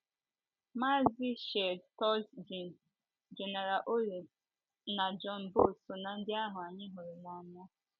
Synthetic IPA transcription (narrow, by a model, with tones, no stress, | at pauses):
ma˦zi˦ʃe˨dtɔ˦lsd͡ʒ | d͡ʒe˨ne˨ɾa˨ʔo˦le˨ | na˨d͡ʒɔ˦n˨bo˦˨su˨na˨n̩˦dɪ˦a˦ɦʊ˨a˨ɲɪ˦ɦʊ˨ɾi˨na˨m˦a˦